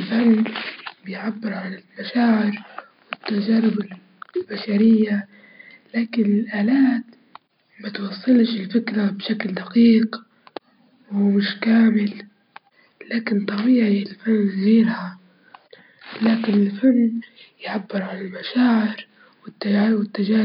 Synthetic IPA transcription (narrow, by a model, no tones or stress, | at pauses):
lfanːbɪjʕabːɪɾʕalalmaʃaːʕɪɾ | wɪt̪ːad͡ʒaːɾɪbɪl | lbaʃaɾɪjːa | laːkɪnɪlʔaːlaːt̪ | mat̪wɑsˤːɨlʃɪlfɪkɾabʃakld̪aqiːq | wmɪʃkaːmɪl | laːkɪnt̪ˤːɑbiːʕiɪlfanːziːɾha | laːkɪnɪlfanːjʕabːɪɾʕalalmaʃaːʕɪɾ | wɪt̪ːawɪt̪ːad͡ʒaː